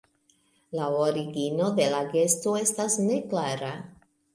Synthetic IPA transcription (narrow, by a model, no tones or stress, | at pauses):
laoɾiɡino̞d̪e̞laɡe̞stoe̞stasne̞klaɾa